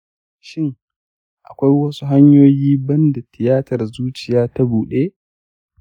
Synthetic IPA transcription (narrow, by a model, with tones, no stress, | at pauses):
ʃɪ˦ŋ | ʔa̰˨kʷa˦jwɐ˦su˦ɦa˦ɲjoː˦jiː˦bɐ˦nda˨tʰɪ˨jaː˦tɐ˨rzuː˦t͡ʃɪ˨jaː˦ta˦buː˨ɗeː˦ʔ